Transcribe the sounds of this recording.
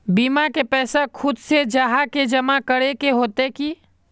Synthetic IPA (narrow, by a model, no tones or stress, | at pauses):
biːmakepɛːsakʰʊd̪sed͡ʒaːɦaked͡ʒɐmakəɾekeɦoːt̪eki